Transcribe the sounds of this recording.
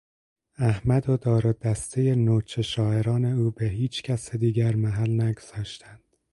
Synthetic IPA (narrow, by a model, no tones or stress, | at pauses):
æhmæd̪od̪ɒːɾod̪æst̪ʰe̞jenoːt͡ʃʰeʃɒːe̞ɾɒːne̞uːbeɦiːt͡ʃcʰæsed̪iːɟæɾmæɦælnæɡoz̥ɒːʃt̪ʰænd̪̥